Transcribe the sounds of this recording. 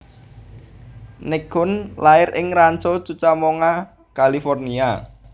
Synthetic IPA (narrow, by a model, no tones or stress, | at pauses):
nɪɡʊnlaɪɾʔɪŋrant͡ʃot͡ʃut͡ʃamoŋa | kalifɔrnia